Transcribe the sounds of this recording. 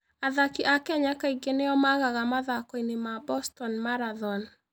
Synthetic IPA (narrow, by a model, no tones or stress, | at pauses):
aðakiʔakɛaɲakaiɡeneɔmaɣaɣamaðakɔinemabɔstɔnmaɾaðɔn